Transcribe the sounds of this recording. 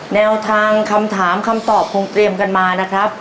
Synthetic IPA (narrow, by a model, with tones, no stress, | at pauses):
nɛː˧wt̪ʰaː˧ŋkʰa˧mt̪ʰaː˩˦mkʰa˧mt̪ɔː˨˩p̚kʰo˧ŋt̪ɾi˧əmka˧nmaː˧na˦˥kʰɾa˦˥p̚